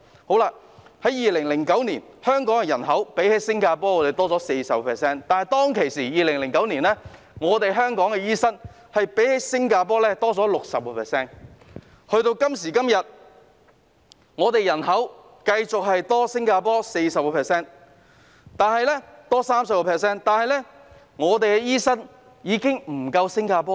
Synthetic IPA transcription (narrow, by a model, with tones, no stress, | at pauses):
ho˨˥wlaː˧ | hɐ˨˥jiː˨˧lɪ˨˩ŋlɪ˨˩ŋkɐ˨˥wniː˨˩nhœː˥ŋkɔː˨˥ŋɛ˧jɐ˨˩nɦɐ˨˥wpe˨˥jhe˨˥jsɪ˥ŋkaː˧pɔː˥ŋɔː˨˧t̪e˨jt̪ɔː˥t͡sɔː˨˥se˧jsɐ˨p̚kɔː˧pʰɛː˨˩sɛː˥nt̪aː˨nhɐ˨jt̪ɔː˥ŋkʰe˨˩jsiː˨˩jiː˨˧lɪ˨˩ŋlɪ˨˩ŋkɐ˨˥wniː˨˩nlɛː˥ | ŋɔː˨˧t̪e˨jɦœː˥ŋkɔː˨˥ŋkɛː˧jiː˥sɐ˥n | hɐ˨jpe˨˥jhe˨˥jsɪ˥ŋkaː˧p̬ɔː˥lɛː˥t̪ɔː˥t͡sɔː˨˥lʊ˨k̚sɐ˨p̚kɔː˧˩pʰɛː˨˩sɛː˥n | hɵ˧ɥt̪o˧wkɐ˥msiː˨˩kɐ˥mjɐ˨t̚ | ŋɔː˨˧t̪e˨jɐ˨˩nɦɐ˨˥w | kɐ˧jt͡sʊ˨k̚ɦɐ˨jt̪ɔː˥sɪ˥ŋkaː˧pɔː˥se˧jsɐ˨p̚kɔ˧pʰɛː˨sɛː˥˩n | t̪aː˨nɦɐ˨jlɛ˥t̪ɔː˥saː˥msɐ˨p̚kɔ˧pʰɛː˨s̬ɛː˥nt̪aː˨nhɐ˨jlɛ˥ | ŋɔː˨˧t̪e˨jkɛ˧jiː˥sɐ˥n | jiː˨˧kɪ˥ŋm̩˨˩kɐ˧wsɪ˥ŋkaː˧pɔː˥